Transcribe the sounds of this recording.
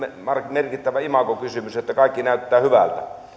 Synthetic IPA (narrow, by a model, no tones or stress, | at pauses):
emɑrmerkit̪ːæʋæimɑkokysymysjeot̪ːækɑˑikːinæˑyt̪ːæːhyʋæ̰lt̪æ